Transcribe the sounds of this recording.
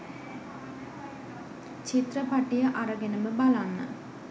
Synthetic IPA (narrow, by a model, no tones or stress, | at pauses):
t͡ɕit̪rəpaʈijəʔaɾəɡenəməbalanːə̰